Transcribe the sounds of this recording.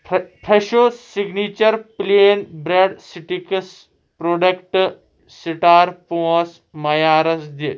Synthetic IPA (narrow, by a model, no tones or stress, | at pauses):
pʰɾeɕosiɡnit͡ɕəɾplenbɾeɖsiʈikəs | pɾoɖəkʈ | siʈaɾpos | mɐjaɾəsd̪e